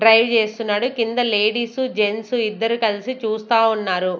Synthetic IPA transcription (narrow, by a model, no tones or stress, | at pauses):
ɖɾɐjʋt͡ʃe̞ːst̪unːaːɽukind̪ɐle̞ːɽiːsud͡ʒe̞nsuid̪ːɐɾikɐlisit͡ʃuːst̪aːunːaːɾu